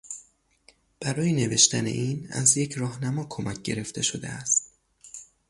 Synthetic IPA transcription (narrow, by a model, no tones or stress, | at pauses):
b̥æɾɒːjene̞ve̞ʃt̪æne̞̰ʔiːnæ̰zjecʰɾɒːhnæmɒːkʰo̞mæc̚ʰɟe̞ɾe̞ft̪ʰe̞ʃo̞d̪eæst̪